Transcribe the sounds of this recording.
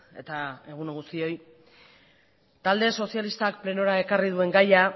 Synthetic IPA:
e̞̰t̪ae̞ɣ̞unoɣust̪io̞j | t̪ald̪e̞so̞sjalist̪akple̞no̞ɾae̞karið̞ue̞ŋɡaja

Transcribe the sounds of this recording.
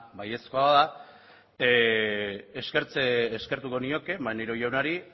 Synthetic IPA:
baje̞skoaða | eske̞ɾt͡seːske̞ɾt̪uko̞nio̞ke̞mbaneɾojawnaɾi

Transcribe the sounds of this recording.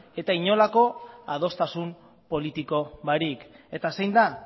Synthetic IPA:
e̞t̪aiɲo̞lako̞að̞o̞st̪asum | po̞lit̪iko̞βaɾike̞t̪asejnd̪a

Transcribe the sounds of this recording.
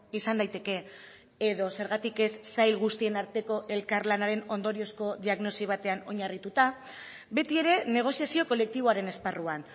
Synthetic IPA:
isand̪ajt̪e̞ke̞ | eðo̞se̞ɾɣat̪ike̞sːajlɣust̪ie̞naɾt̪e̞ko̞ʔe̞lkaɾlanaɾe̞no̞nd̪o̞ɾio̞sko̞ðiaɣno̞siβ̞at̪e̞ano̞ɲarit̪ut̪a | be̞t̪ie̞ɾe̞ne̞ɣ̞o̞siasio̞ko̞le̞k̚t̪iβoaɾe̞ne̞sparuan

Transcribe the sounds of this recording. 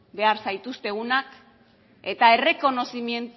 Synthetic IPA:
be̞aɾsajt̪ust̪e̞ɣunak | e̞t̪ae̞re̞ko̞no̞simie̞nt̪

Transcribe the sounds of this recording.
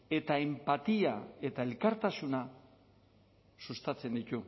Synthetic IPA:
e̞t̪aempat̪iae̞t̪ae̞lkaɾt̪asuna | sust̪at͡se̞nd̪it̪u

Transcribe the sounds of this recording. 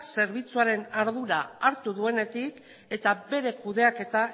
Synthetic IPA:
se̞ɾβ̞it͡suaɾe̞naɾðuɾaːɾt̪uðue̞ne̞t̪ik | e̞t̪abe̞ɾe̞kuðe̞ake̞t̪a

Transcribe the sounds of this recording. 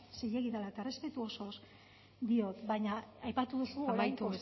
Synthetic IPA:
sejeɣiðalaet̪aere̞spe̞t̪uo̞so̞s | d̪io̞t̪baɲaajpat̪uðusumajt̪u

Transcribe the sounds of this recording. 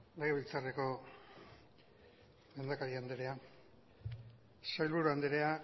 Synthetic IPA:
leɣeβilt͡sareko̞ | me̞nd̪akaɾiand̪eɾe̞a | sajlβuɾoand̪eɾea

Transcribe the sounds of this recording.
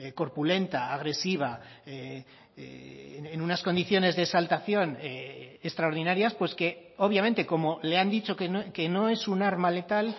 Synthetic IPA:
ko̞ɾpule̞nt̪aːɣ̞ɾe̞siβ̞aḛ | enunasko̞nd̪iθjo̞ne̞zðe̞ːsalt̪aθjo̞neest̪ɾaoɾð̞inaɾjaspwe̞ske̞o̞β̞jament̪e̞ko̞mo̞le̞and̪it͡ʃo̞keoke̞no̞e̞sunaɾmale̞t̪al

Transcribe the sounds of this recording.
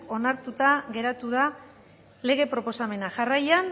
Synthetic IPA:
o̞naɾt̪ut̪aɣe̞ɾat̪uða | le̞ɣ̞e̞pɾo̞po̞same̞naʝarajan

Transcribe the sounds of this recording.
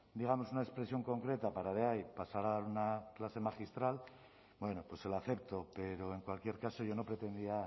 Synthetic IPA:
d̪iɣ̞amo̞sunaespɾesjo̞ŋko̞ŋkɾe̞t̪apaɾaðeajpasaɾaðaɾunaklase̞maxist̪ɾal | bwe̞nopwe̞selaθe̞p̚t̪o̞pe̞ɾo̞e̞ŋkwalkjeɾkaso̞ʝo̞no̞pɾe̞t̪e̞nd̪ia

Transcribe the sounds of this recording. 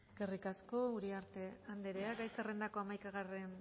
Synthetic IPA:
ɡerikasko̞uɾiaɾt̪e̞and̪eɾeaɡajserend̪ako̞amajkaɣ̞aren

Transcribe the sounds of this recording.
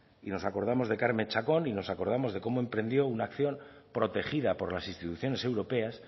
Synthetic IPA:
ino̞sako̞ɾð̞amo̞zðe̞kaɾme̞nt͡ʃako̞nino̞sako̞ɾð̞amo̞zðe̞ko̞mo̞e̞mpɾẽ̞nd̪jo̞unaːkθjo̞mpɾo̞t̪e̞xið̞apo̞ɾlasinst̪it̪uθjo̞ne̞se̞wɾo̞pe̞as

